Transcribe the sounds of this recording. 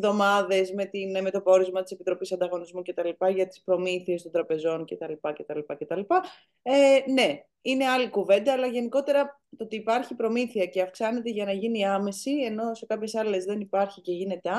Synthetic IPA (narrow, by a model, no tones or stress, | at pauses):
ðo̞mɐðe̞zme̞t̪inme̞t̪o̞poɾizmɐt̪i̥se̞pit̪ɾo̞pisɐnd̪ɐɣo̞nizmuce̞t̪ɐlipɐʝɐt̪i̥spɾo̞miθie̞st̪ond̪ɾɐpe̞zo̞nce̞t̪ɐlipɐce̞t̪ɐlipɐce̞t̪ɐlipɐ | ene̞ | ine̞ɐlikuve̞nd̪ɐːlɐʝe̞niko̞t̪e̞ɾɐ | t̪ot̪iːpɐɾçipɾo̞miθiɐce̞ɐfksɐne̞t̪eʝɐnɐʝiniɐme̞sie̞no̞se̞kɐpçe̞sɐle̞zðe̞nipɐɾçice̞ʝine̞t̪eɐ